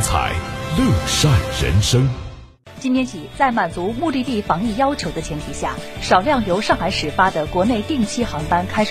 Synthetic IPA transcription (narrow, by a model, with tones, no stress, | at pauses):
t͡sʰa̰˨˩˦ɪljo˥˨˩ʊʂa˥˩nɻə̰˧˥nʂɤ˥ŋ | t͡ɕi˥nt̪ʰjɛ˥nt͡ɕʰi˨˩t͡sa˥˩ɪma˨˩nt͡su˧˥mu˥˧t̪i˥˧t̪i˥˩fɑ˧˥ŋi˥˩jɑ˥ʊt͡ɕʰjo˧˥ʊd̪ə˧t͡ɕʰjɛ˧˥nt̪ʰi˨˩ɕja̰˥˩ʂɑ˨˩ʊljɑ˥˩ŋjo˧˥ʊʂɑ˥˩ŋxa˧˥ɪʂɻ̩˨˩fa˥d̪ə˨kwɔ˧˥ne˥˧ɪt̪i˥˩ŋt͡ɕʰi˥xɑ˧˥ŋpa˥nkʰa˥ɪʂ